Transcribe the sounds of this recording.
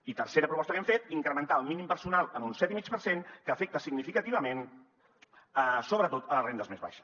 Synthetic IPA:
it̪əɾseɾəpɾupɔst̪əkɛmfet̪iŋkɾəmənt̪aəlˠminimpəɾsunalˠənunsɛt̪imit͡ʃpəɾsenkəːfɛk̚t̪əsiɡnifikət̪iβəmen | əsoβɾət̪ot̪ələrend̪əzmezβa̰ʃə̥

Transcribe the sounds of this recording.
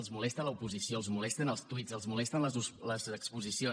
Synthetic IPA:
lˠzmulɛst̪ələupuzisioəlˠzmulɛst̪ənəlˠst̪uitzəlˠzmulɛst̪ənlələzəkspuzisio

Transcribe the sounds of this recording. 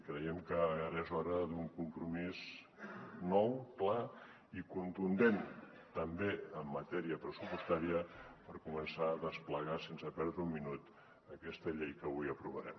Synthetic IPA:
kɾəjɛmkəːɾɛzɔɾəðuŋkumpɾumiz | nɔwkla | ikunt̪und̪en | t̪əmbeəmːət̪ɛɾiəpɾəsupust̪aɾiəpəɾkumənsaəðəspləɣasensəpɛɾðɾəumːinut̪ | əkɛst̪əʎejkəβujəpɾuβəɾɛ̰m

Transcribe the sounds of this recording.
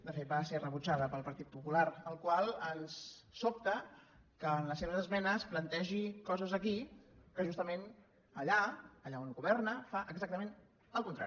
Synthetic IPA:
d̪əfet̪̚baserəβut͡ʃaðəpəlˠpəɾt̪it̪̚pupulaɾəlˠkwalˠənsːop̚t̪ə | kəːnləseβəzəzmɛnəsplənt̪ɛʒikɔzəzəkikəʒust̪əmen | əʎaːʎaonɣuβɛrnəfaʔəɡzak̚t̪əmẽn | əlˠkunt̪ɾa̰i

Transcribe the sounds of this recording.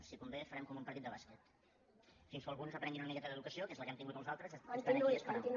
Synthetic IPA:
sikumbefəɾɛmkɔmumpəɾt̪it̪dəβaskət̪ | finsfolɣunzəpɾɛŋɡinunəmikɛt̪əðəðukəsiokɛzləkɛmt̪iŋɡut̪ɔ̃nuzalˠt̪ɾəzəspəuəsp̪t̪in

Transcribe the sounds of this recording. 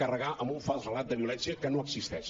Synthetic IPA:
kərəɣaʔəmbuɱfalˠzrəlat̪̚d̪əβiulɛnsiəkənoəɡzist̪ɛʃ

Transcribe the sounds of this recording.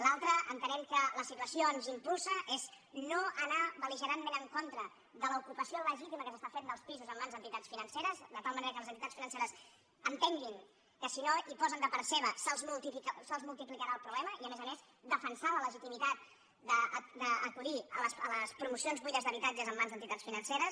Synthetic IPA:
lalˠt̪ɾəʔənt̪ənɛmkələsit̪uəsionzimpulˠsəʔez | noənaβəliʒəɾanmenəŋkont̪ɾə | ðələukupəsioləʒit̪iməkəsəst̪afet̪d̪əlˠspizuzəmbanzənt̪it̪at͡ssfinənseɾəzðət̪alˠməneɾəkələznt̪it̪at͡sfinənseɾəs | ənt̪eŋɡiŋ | kəsinoʔipɔzənd̪əpaɾseβəsəlˠzmulˠt̪iiksəlˠzmulˠt̪iplikəɾaəlˠpɾuβlɛməiəmezəmez | d̪əfənsalələʒit̪imit̪at̪̚ | d̪əd̪əːkuliələsə̰ləspɾumusionzβujʎəzðəβit̪ad͡ʒəzəmːanzðənt̪it̪at͡ssfinənseɾəs

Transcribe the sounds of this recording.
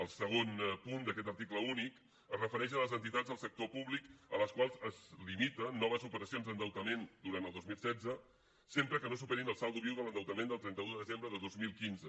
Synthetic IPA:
əlˠsəɣ̞onpund̪əkɛt̪əɾt̪ikləunik | əzrəfəɾɛʃ̬ələzənt̪it̪ad͡zðəlˠsək̚t̪opuβlikələskwalˠzəzlimit̪ənːɔβəzupəɾəsionzd̪ənd̪əwt̪əmend̪uɾant̪əlˠd̪ozmilˠsɛd͡zə | sempɾəkənosupeɾinəlˠsalˠd̪uβiwðələnd̪əwt̪əmẽnd̪əlˠt̪ɾɛnt̪əuðəðəzembɾəðəðozmilˠkinzə

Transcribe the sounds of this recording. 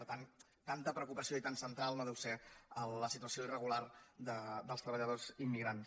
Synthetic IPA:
əɾt̪an | t̪ant̪əpɾəukupəsioit̪ansənt̪ɾalˠnoðɛwseəlːəsit̪uəsioirəɣ̞ulard̪əd̪əlˠst̪ɾəβəʎəðozimːiɣɾans

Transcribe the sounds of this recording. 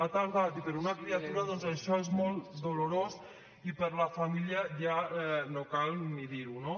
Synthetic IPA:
at̪alˠɣat̪ipəɾunakɾiat̪uɾaðɔnzəʃɔezmɔlˠt̪d̪oluɾos | ipəɾləfamiliəʒaɛnokalˠmiðiɾuno

